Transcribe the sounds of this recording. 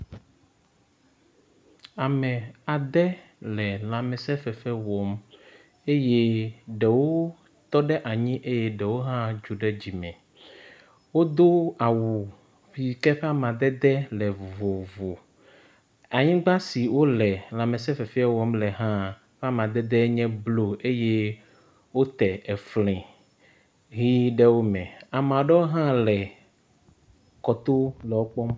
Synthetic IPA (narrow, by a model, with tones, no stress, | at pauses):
a˨mɛ̃˨a˨d̪ɛ˦ | lɛ˨la˨mɛ̃˨sɛ˦fɛ˨fɛ˦wɔ˨m | e˦je˦ɖɛ˨wo˦ | t̪ɔ˦ɖɛ˦ʔa˨ɲĩ˦ʔe˦jɛ˦ɖɛ˨wo˦ɦã˦d͡ʒu˨ɖɛ˦d͡ʑi˨mɛ̃˨ | wo˦d̪o˦a˨wu˨ | ɸi˨kɛ˦ɸɛ˦a˦˨m˨ã˨d̪ɛ˦d̪ɛ˦lɛ˨vo˨vo˨ | a˨ɲĩ˦ɡ͡ba˦si˨wo˦lɛ˨la˨mɛ̃˨s̬ɛ˦fɛ˨fi˦a˦wɔ˦mlɛ˨ɦã˦ | ɸɛ˦a˦mã˨d̪ɛ˦d̪ɛ˦ɲɛ̃˦blo˦e˦je˦ | wo˦t̪ɛ˨ʔe˨flĩ˨ | ɦi˦ɖɛ˦wo˦mɛ̃˨a˨mã˨ɖɛ˦wo˦ɦã˦lɛ˨ | kɔ˨t̪o˦lɛ˨wo˦k͡pɔ˦m